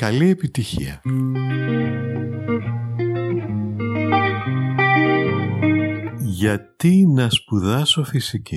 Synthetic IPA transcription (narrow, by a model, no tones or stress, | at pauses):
kɐlie̞pit̪içḭɐ | ʝɐt̪inɐspuðɐso̞fisici